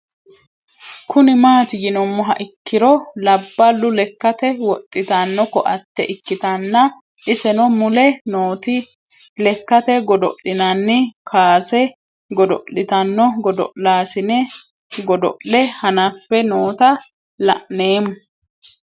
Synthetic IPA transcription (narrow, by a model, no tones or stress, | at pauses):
kʰʊnɪmaːt̪ɪjɪnɔmːɔɦɐ̰ʔɪkːɪɾɔlɐbːɐlːʊlɛkːɐt̪ɛwɔt̪ʼːɪt̪ɐnːɔkɔʔɐt̪ːɛ̰ʔɪkːɪt̪ɐnːɐ | ʔɪsɛnɔmʊlɛnoːt̪ɪ | lɛkːɐt̪ɛɡɔd̪ɔʔɪnɐnːɪkʰaːsɛ | ɡɔd̪ɔ̰ʔɪt̪ɐnːɔɡɔd̪ɔ̰ʔlaːsɪnɛ | ɡɔd̪ɔ̰ʔɛhɐnɐfːɛnoːt̪ɐ | lɐ̰ʔne̞ːmːʊ